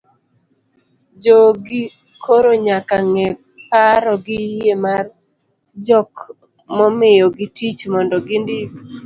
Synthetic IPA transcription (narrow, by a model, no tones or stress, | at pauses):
d͡ʒoɡɪkʰoɾoɲakaŋɛ | paɾɔɡɪemar | d͡ʒɔk | mɔmɪjɔɡitit͡ʃmɔndɔɡɪndik